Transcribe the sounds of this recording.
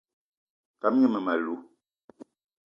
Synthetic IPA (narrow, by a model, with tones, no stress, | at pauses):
ta˨˦m˦ɛ˦mɛ˨ma˨lu˨˦